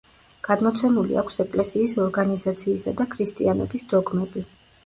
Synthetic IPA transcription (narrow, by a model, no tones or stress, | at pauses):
ɡ̥ad̪mɔt̪sʰɛmulḭakʷʰsɛkʼlɛsiːsɔɾɡanizat̪sʰiːsad̪akʰɾist̪ʼianɔ̰bisd̪ɔɡmɛbi